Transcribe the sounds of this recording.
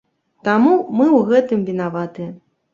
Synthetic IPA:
t̪amumɨwɣɛt̪ɨmvʲinavat̪ɨɐ

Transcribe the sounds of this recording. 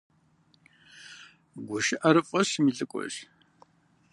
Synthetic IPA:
ɡʷʊʃɪʔɐɾɨfʼɐsmiːɬʼɨkʷʼɔ̰ɕ

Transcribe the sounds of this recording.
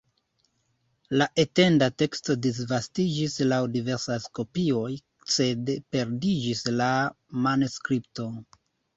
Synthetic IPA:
laʔe̞te̞ndate̞ksto̞dis̬vastid͡ʒislawdive̞ɾsajsko̞pio̞j | se̞dpe̞ɾdid͡ʒisla | manoskɾipto̞

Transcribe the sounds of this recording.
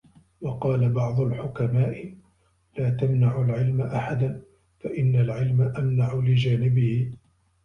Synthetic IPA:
wɑqɑːlabɑʕd̪ˤʊlħʊkamaːʔɪ | laːt̪amnaʕʊlʕɪlmaʔaħad̪an | faʔɪnːalʕɪlmaʔamnaʕʊlɪd͡ʒaːnɪbɪhɪ

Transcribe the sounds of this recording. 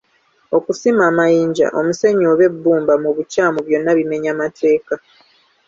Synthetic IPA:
o̞kusimaːmajiːɲɟa̰ʔo̞muse̞ɲːoβe̞bːuːmbamuβucaːmuβjo̞nːaβime̞ɲamatʰe̞ːka

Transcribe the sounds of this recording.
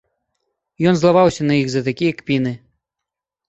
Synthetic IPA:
jɔnzlˠavawsʲɐnɐjixzɐt̪akʲijɐkpʲinɨ

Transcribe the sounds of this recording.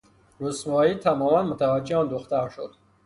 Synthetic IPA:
ɾusmɔit̪ʰamɔmanmut̪ʰavad͡ʒːeɔnd̪uχt̪aɾʃod̪̥

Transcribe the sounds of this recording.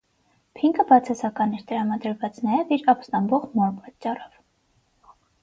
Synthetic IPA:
pʰiŋkəbɑt͡sʰɛsɑkɑnɛɾt̪əɾɑmɑd̪əɾvɑt͡snɑjɛviɾɑpst̪ɑmbɔʁmɔɾpɑtt͡ʃːɑrɔv

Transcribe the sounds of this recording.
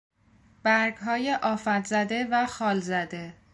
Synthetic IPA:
b̥æɾɡɦɒːjeʔɒːfæt̪zæd̪e̞væxɒːlzæd̪e̞

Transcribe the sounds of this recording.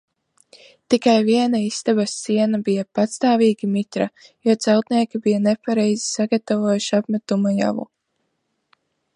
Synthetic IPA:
t̪ikajviɛnaist̪abasːiɛnabijapat̪st̪aːviːɡʲimit̪ɾajuɔt̪sɛwt̪niɛkʲibijanepaɾɛjzi̥saɡat̪avuɔjuʃiapmɛt̪umaja̰vṵ

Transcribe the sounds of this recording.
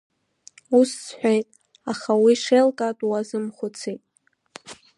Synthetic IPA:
ussħʷᶣejtʼ | aχawiʂelkʼatʼwazɨmχʷʊt͡sʰitʼ

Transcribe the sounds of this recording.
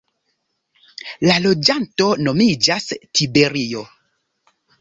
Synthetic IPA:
lalo̞d͡ʒanto̞no̞mid͡ʒastʰibe̞ɾio

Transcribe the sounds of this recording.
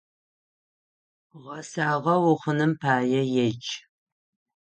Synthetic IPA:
ʁɐsaːʁɐwʊχənɨmpʰaːjɛjɛt͡ʃʼ

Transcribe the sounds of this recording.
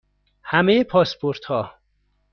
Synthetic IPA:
hæmejepʰɒːspʰoɾt̪hɒː

